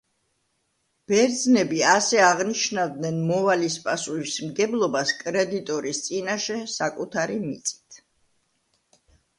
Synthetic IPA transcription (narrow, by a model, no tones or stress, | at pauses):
b̥ɛɾd̪znɛbiasɛaʁniʃnavd̪nɛnmɔvalispʼasuismɡɛblˠɔbaskʼɾɛd̪it̪ʼɔɾist̪sʼinaʃɛsakʼut̪ʰaɾimit̪sʼi̥t̪ʰ